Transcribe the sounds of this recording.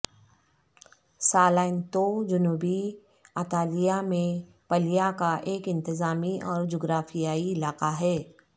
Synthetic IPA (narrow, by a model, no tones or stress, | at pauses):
saːlaːɪnt̪od͡ʒʊnuːbi | ət̪aːlijamẽ | pəlijakaʔeːkɪ̃nt̪ɪzaːmiʔɔːɾd͡ʒoːɡɾaːfijaːiɪlaːqaɦɛː